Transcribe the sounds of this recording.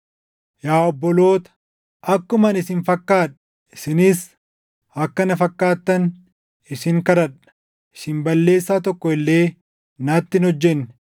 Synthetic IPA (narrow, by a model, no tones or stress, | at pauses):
jaːɔbːɔlo̞ːt̪ɐ̥ | ɐkːʊmɐnɪsɪnfɐkːaːᶑɐ | ɪsɪnɪs | ɐkːɐnɐfɐkːaːt̪ːɐn | ɪsɪŋkɐɾɐᶑɐ̥ | ʔɪ̥sɪnbɐlːe̞ːsːaːt̪ɔkːɔɪlːe̞ː | nɐːt̪ːɪnhɔd͡ʒːɛnːɪ̥